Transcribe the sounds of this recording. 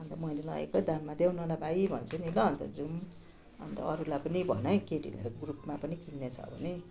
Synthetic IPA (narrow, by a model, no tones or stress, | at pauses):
ʌnt̪ʌmʌilelʌ̰ḛkod̪anmad̪jawnʌlabaibʱʌnt͡sʰunilʌʌnt̪ʌd͡zum | ʌ̰nt̪ʌ̰ʌɾulapʌnibʱʌnʌjkeʈḭlḛɾoɡrupmapʌnikinːet͡sʰʌ̰bʱʌ̰ne